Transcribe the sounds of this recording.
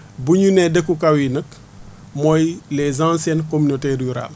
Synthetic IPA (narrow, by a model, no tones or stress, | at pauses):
buɲunɛdekːukawinək | mɔjlɛzãsɛnkominoteɾjuɾa̰l